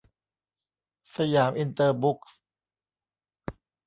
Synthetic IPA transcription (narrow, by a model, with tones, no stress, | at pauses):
sa˧jaː˩˦mʔi˧nt̪ɤː˧bu˦˥k̚s